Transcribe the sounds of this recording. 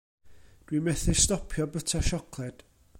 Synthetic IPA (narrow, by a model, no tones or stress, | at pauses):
d̥wimɛθɪstɔpʰjɔbətʰaʃɔkʰlˠɛd̥